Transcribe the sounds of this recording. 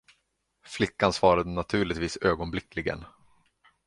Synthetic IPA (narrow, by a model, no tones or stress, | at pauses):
flɪkːansvɑːɾad̪ənat̪ʰʉ̟ːɭɪt̪viːsøːɡɔnblɪklɪɡə̰n